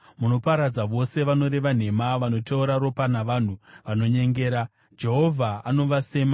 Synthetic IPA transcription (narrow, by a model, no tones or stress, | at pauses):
muno̞paɾad͡zaʋo̞se̞ʋano̞ɾe̞ʋan̤e̞maʋano̞teuɾaɾo̞panaʋaːn̤uʋano̞ɲe̞ŋɡe̞ːɾa | d͡ʒe̞ɦo̞vʱaano̞ʋase̞ːma